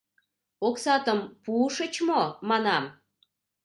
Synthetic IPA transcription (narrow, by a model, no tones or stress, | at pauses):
oksɑt̪əmpuʃət͡ɕmomɑnɑm